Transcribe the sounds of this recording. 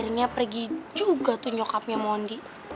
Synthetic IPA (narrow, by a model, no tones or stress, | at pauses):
rɲapərɡid͡ʒuɡat̪uɲɔkap̚ɲamɔndi